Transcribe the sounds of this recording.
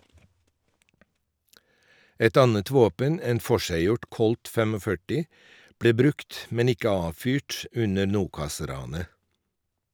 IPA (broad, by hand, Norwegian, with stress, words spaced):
ˈɛt ˈɑnət ˈʋoːpən ˈeːn ˈfɔʃæɪˌjʊʈ ˈkɔlt ˈfeːmoːˌfœʈɪ ˈbɽeː ˈbɾʉkt ˈmɛn ˈɪkə ˈɑːʋˌfyːʈ ˈʉnə ˈɳuːkɑˌsɾɑːnə